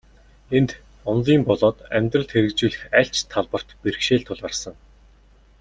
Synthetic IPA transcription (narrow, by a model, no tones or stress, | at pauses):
ent̪ | ʊnɮiːmpɔɮɔːt̪æmʲt̪rə̆ɮt̪xeɾɘ̆kt͡ɕuːɮɘ̆xæɬt͡ɕt̪ʰːaɮpə̆r̥t̪peɾ̆kʃeːɮt̪ʰʊɮarsə̆ŋ